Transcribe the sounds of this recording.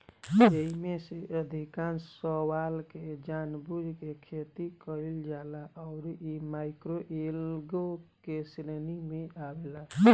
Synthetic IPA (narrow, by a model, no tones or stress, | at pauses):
jeɦimeseʔəd̪ʱikansəwalked͡ʒanbud͡ʒʱkekʰet̪ikəɾild͡ʒalaʔɔʊɾimaɪkɾoʔelɡokeslenimeʔabela